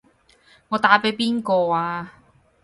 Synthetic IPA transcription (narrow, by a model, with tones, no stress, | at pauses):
ŋɔː˨˧t̪aː˨˥pe˨˥jpiː˥nkɔː˧aː˧